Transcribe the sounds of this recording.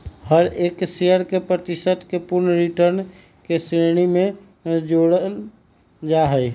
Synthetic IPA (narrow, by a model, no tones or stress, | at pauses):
həɾeːkseəɾkepɾət̪isət̪kepʊɾnɾiʈəɾn | kesɾeɽ̃imẽ | d͡ʒoɽəl | d͡ʒaɦəj